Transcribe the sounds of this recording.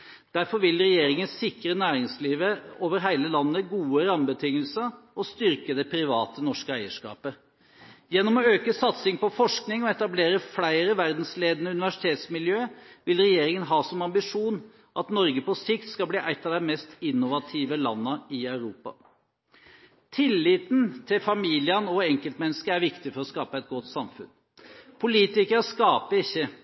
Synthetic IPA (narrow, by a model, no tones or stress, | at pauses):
d̪̥æɾfɔɾʋɪlɾɛjeːɾɪŋənsɪkɾənæːɾɪŋsliːʋəoːʋəɾɦæɪləlɑnːəɡuːəɾɑmbət̪ʰɪŋːəlsəɔst̪ʏɾkəd̪ɛpʰɾɪʋɑːt̪ənɔʂkəæɪəʂkɑ̰ːpə | jɛnːɔmɔøːkəsɑt̪sɪŋpɔfɔʂknɪŋɔɛt̪ɑbleːɾəflæɪɾəʋæɾd̪n̩sleːd̪ənəʉnɪʋæʂɪ̥t̪ʰeːt̪smɪljøːʋɪlɾɛjeːɾɪŋənɦɑːsɔmɑmbɪʂuːn | ʔɑt̪nɔɾɡəpɔsɪkt̪skɑlbliːʔæɪt̪ːɑʋd̪ɛmɛst̪ɪnːʊʋɑt̪ʰiːʋəlɑ̰nːəɪœʉɾuːpɑ̰ | t̪ʰɪlːiːt̪nt̪ʰɪlfɑmiːlɪənɔɛŋkəlt̪mɛnːəskəæɾʋɪkt̪ɪfɔɾɔskɑːpəɛt̪̚ɡɔt̪ːsɑmfʉ̰n | pʰʊliːt̪ɪkəɾəskɑːpəɪçːə